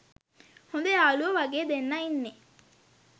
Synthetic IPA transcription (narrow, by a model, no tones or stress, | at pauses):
hond̪eaːluʋɐʋɐɡeːd̪enːɐinːe